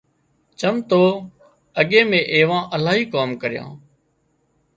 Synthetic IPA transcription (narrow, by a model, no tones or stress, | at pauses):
t͡ʃəmt̪oː | əɠeːmẽːʔeːʋãːʔəlaːɦiːkaːmkəɾɪjã̰ː